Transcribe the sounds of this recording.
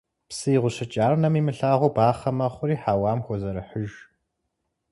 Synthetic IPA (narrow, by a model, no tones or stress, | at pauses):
psɨiʁʷʊɕɐt͡ʃʼaːrnɐmiːmɨɬaːʁʷʊbaːχɐmɐχʷʊɾiːħaːwaːmxʷɔzɐɾɨħəʒ